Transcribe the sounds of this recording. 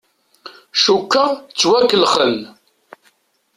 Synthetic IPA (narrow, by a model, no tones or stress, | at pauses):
ʃukːəʁt͡sːwækːəlχəl